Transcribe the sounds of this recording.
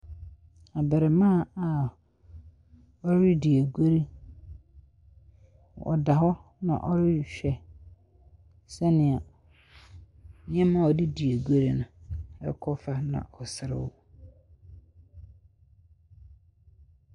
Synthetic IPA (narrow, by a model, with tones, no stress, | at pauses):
a˨bɛ˨ɾɛ˨mã˦˨a˨ | ɔ˦ɾɪ˦di˨æ˨ɡo˦ɾi˦ | ɔ̰˨da˨ɦɔ˦ | nã̰˨ʔɔ˦ɾɪ˦˨ɕᶣɛ˨ | sɛ˦nɪ̃˨a˨ | ɲɛ̃˦mã˦ɔ˨dɪ˦di˨æ˨ɡʷo˦ɾi˦nʊ̃˨ɛ̰˦kʰɔ˦fa˦nã̰˨ʔɔ˨sɪ˨ɾɪ̰˨wʊ˦